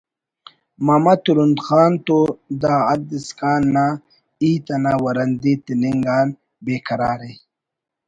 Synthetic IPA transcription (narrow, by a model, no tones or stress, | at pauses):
mɐmɐt̪uɾund̪xaːnt̪od̪aːd̪iskaːnːa | iːt̪ɐnawɐɾɐnd̪it̪iniŋɡaːn | beːkʰɐɾaːɾe